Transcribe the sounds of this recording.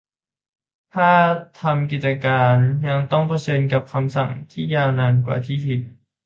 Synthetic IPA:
t̪ʰaː˥˩t̪ʰa˧mki˨˩t̪̚t͡ɕa˧kaː˧nja˧ŋt̪ɔ˥˩ŋpʰa˧t͡ɕʰɤː˧nka˨˩p̚kʰa˧msa˨˩ŋt̪ʰiː˥˩jaː˧wnaː˧nkwa̰ː˨˩t̪ʰiː˥˩pi˨˩t̪̚

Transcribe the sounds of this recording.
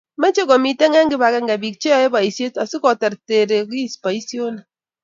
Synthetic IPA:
mɛ˦t͡ʃe˦kɔ˨mi˦te˦ŋɛ˦ŋɡi˦ba˨kɛ˦ŋɡɛ˨bi˨k̚t͡ʃe˦ɔ˦e˦ba˨i˨sje˦ta˨si˦kɔ˨tɛ˨ɾte˨ɾe˨ki˦˨spa˨i˦sjo˦na˨

